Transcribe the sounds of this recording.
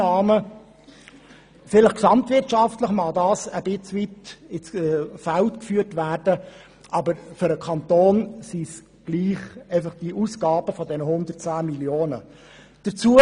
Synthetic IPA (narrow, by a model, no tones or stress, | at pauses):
ɑːmə | fɪləχksɑmtvɪrtt͡ʃɑftləχmɑdɑːsəbɪt͡sʋitɪsfæltkfyːəɾtʋæːrd̥ə | ʔɑbəɾfʏɾəkʰɑnt̪oːnsis | ɡ̥liːχeɪfɑχd̥iəʔusɡ̥ɑːb̥əfɔdɛnəhʊnd̪ər̚t͡sæːmiljoːnə̰ | d̥əɾt͡suə